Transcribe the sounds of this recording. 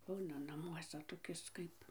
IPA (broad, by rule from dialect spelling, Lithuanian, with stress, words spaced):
ˈbuːnɐ nɐˈmuɔsɐ toːˈkʲɪs ˈkɐɪp